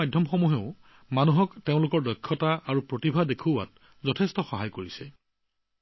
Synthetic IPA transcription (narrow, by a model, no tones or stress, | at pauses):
ajdʱɔmxɔmuɦeʊ | manuɦɔkteʊ̃lʊkɔɹdɔkʰːɔtaaɹupɹotibʱadekʰua̰t̚ | zɔtʰestɔxɔɦajkoɹisɛ